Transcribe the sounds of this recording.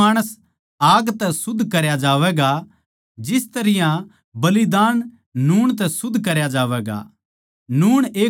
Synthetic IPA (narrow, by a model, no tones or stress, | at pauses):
aːɽ̃əs | aːɡt̪ɛsʊd̪ʱːkɐɾjad͡ʒaːʋɛːɡa | d͡ʒɪst̪ɐɾɪjã | bɐlid̪aːn | nuːɽ̃t̪̬ɛsʊd̪ʱːkɐɾjad͡ʒaːʋɛːɡa̰ | nuːɽ̃eː